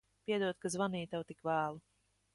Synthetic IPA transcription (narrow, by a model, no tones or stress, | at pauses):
piɛd̪uɔt̪kazvaniːt̪awt̪ikvaːlˠu